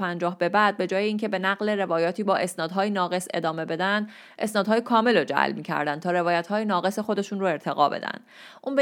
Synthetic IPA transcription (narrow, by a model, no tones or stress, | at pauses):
ænd͡ʒɒːhbe̞bæd̪̚be̞d͡ʒɒːjeiːŋcʰe̞be̞næɣle̞ɾe̞vɒːjɒːt̪ʰiːbɒːʔe̞snɒːd̪ɦɒːjenɒːɣe̞se̞̰d̪ɒːme̞be̞d̪ænd̪ | ʔe̞snɒːd̪̥ɦɒːjekʰɒːme̞lod͡ʒæ̰lmiːcʲʰæ̰ɾd̪ænt̪ʰɒːɾe̞vɒːjæt̪hɒːjenɒːɣe̞sexo̞d̪e̞ʃuːnroe̞ɾt̪ʰe̞ɣɒːbe̞̰d̪æ̰nd̪ | ʔuːnbe